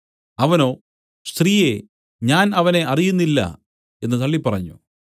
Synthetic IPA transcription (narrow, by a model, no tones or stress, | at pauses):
ɐʋɐno̞ː | st̪riːje̞ | ɲaːnɐʋɐne̞ʔɐrijunːilːɐ̰ | e̞nːɨt̪ɐɭːipːɐrɐɲːṵ